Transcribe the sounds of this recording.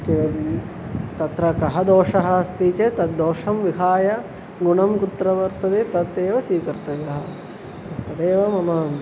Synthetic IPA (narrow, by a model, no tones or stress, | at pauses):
ke | t̪ɐt̪ɾɐkɐɦɐd̪oːʂɐɦɐɐst̪iːt͡ʃet̪ɐt̪d̪oːʂɐmʋiɦaːjɐ | ɡuɳɐmkut̪ɾɐʋɐɾt̪ɐd̪et̪ɐt̪eːʋɐsiːkɐɾt̪ɐjɐɦɐ̆ | ɐt̪ɐd̪eːʋɐmɐmɐ